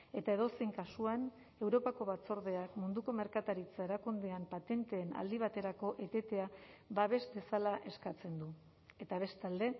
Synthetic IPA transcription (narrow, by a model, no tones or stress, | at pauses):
e̞t̪ae̞ð̞o̞seŋkasuan | e̞wɾo̞pako̞βat͡so̞ɾð̞e̞akmund̪uko̞me̞ɾkat̪aɾit͡sae̞ɾakund̪eampat̪e̞nt̪e̞ːna̰ld̪iβ̞at̪e̞ɾako̞ʔet̪e̞t̪e̞aβaβe̞zd̪e̞salaʔe̞skat͡se̞nd̪u | e̞t̪aβ̞e̞st̪ald̪e̞